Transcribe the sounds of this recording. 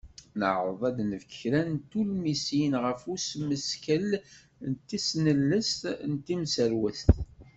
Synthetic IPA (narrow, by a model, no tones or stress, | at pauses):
nə̰ʕəðˤæd̪nəvkçɾænt̪ulmisinʁəfusməskəl | nt̪ːisnəlːəst̪nt̪ːimsəɾwəst̪